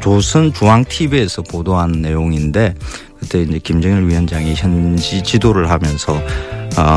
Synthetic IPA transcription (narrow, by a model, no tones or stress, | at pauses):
t͡ɕosʰɯnt͡ɕuaŋtʰibesʰʌpodoɦannːe̞joŋinde̞ | kɯt͈e̞ind͡ʑe̞kimd͡ʑʌŋɥiɦʌnd͡ʑaŋiçjʌnd͡ʑit͡ɕidoɾɯɭhamjʌnsʰʌ